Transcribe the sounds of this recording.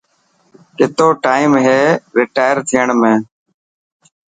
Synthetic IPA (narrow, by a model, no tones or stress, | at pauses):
kɪt̪oːʈaːimɦeːɾɪːʈaːjəɾt̪ʰɪjəɳmẽː